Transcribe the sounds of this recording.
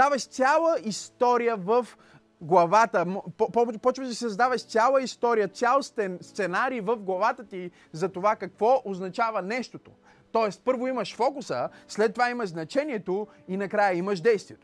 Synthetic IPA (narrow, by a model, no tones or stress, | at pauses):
avɐʃt̪sʲjalˠəist̪ɔɾijəvəf | ɡlˠɐvat̪əmppɔpɔt͡ʃvəʒd̪ɐsiszd̪avəʃt̪sʲjalˠəist̪ɔɾijət̪sʲjalˠst̪ɛnst̪sɛnaɾiːvəfɡlˠɐvat̪ət̪i | zɐt̪ovakɐkvɔʔoznɐt͡ʃavɐnɛʃt̪ot̪o | t̪ɔɛst̪pɤɾvoimɐʃfɔkʊsəslɛt̪ːovaimɐʒznɐt͡ʃɛniɛt̪o | inɐkɾajəiməʃd̪ɛjst̪viɛt̪o